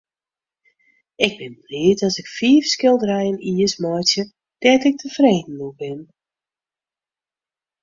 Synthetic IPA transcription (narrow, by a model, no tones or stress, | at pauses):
ɪɡ̚bɪnblɪətɔsɪkfiəfskɪlˠdrɛjəniəsmɔjsjə | d̥ɛtɪk̚tʰəfreːdn̩ubɪn